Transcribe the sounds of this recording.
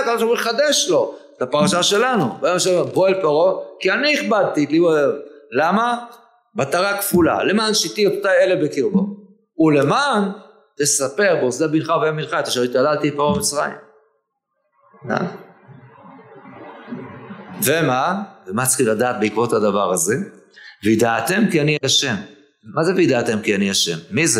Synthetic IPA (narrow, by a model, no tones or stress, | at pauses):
kad̪oʃamʁuiχad̪eʃlo̞etapaʁaʃaʃe̞lanubmaʃmeboelpeʁokianiiχbad̪̚t̪iliboevlama | bat̪aʁakfula̰le̞maːnʃit̪iot̪ot̪aelebekiʁbo | ule̞maːn | t̪e̞sape̞ʁboozeabinχaveaminχat̪eʃait̪alalt̪itmamamit͡sʁa̰ḭm | a̰ | vemavemat͡sχimlad̪aːt̪beikvo̞thad̪avaʁaze̞ | vid̪aːt̪e̞mkianiaʃe̞mː | azeveid̪aːt̪e̞mkianiaʃe̞̰mːize